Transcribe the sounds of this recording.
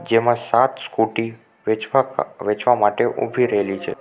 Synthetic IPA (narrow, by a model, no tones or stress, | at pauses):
d͡ʒemãsat̪skuʈi | ʋet͡ʃʋamaʈeʔṵbʱiɾəɦelit͡ʃʰe